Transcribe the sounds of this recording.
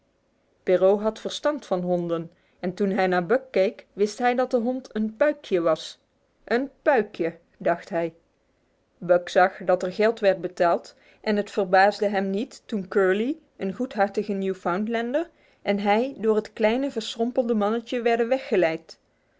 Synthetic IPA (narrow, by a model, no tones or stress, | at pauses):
pɪrowɦɑtfəɹstɑntfɑnɦɔndən | ɛntunɦɛjnaːɹbœkːejkʋɪstɦɛjdɑt̚dəɦɔntʰənpœɥkʰjəʋɑs | ʔənpœɥkjə | dɑχtɦɛj | bœksɑχdɑtɛɹɣɛlˠtʋɛɹd̚bətaːlˠt | ʔɛnɦətfərbaːzdəɦɛmnitːunkøːɹli | ənɣutɦɑɹtəɣənjufawntlɛndəɹ | ʔɛnɦɛjdʊːɹɦətklɛjnəvəɹsrɔmpəl̩ˠdəmɑnəcəʋɛɹdənʋɛxːəlɛjt